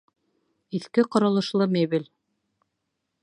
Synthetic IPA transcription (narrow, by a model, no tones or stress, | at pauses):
iθkɘqɑɾɑlˠɤ̆ʃlˠɤmeβilʲ